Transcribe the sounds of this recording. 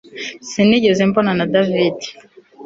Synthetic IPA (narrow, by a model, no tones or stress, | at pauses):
siniɟezimbonanadavidi̥